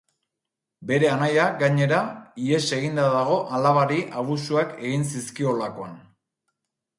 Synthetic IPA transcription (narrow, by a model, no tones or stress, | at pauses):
be̞ɾe̞anajaɡaɲe̞ɾaie̞se̞ɣind̪aðaɣ̞o̞ʔalaβaɾiʔaβ̞usuake̞ɣinsiskio̞lako̞an